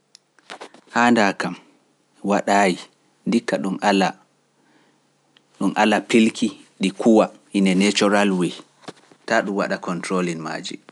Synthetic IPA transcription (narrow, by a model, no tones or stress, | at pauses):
haːndakam | waɗaːji | dikːaɗumala | ɗumʔalapilkʰiɗikʰuwahinɛnet͡ʃɔɾalwi | taɗumwa̰ɗakɔntɾolinma̰ːd͡ʒḭ